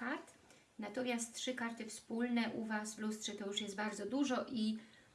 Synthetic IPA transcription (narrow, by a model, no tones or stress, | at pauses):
aɾt̪ | nat̪ɔmʲjast̪tʂɘkaɾt̪ɘfspulnɛʔuvasvlust̪ʂɛt̪ɔjuʂjɛst̪baɾd̪zɔd̪uʐɔʔi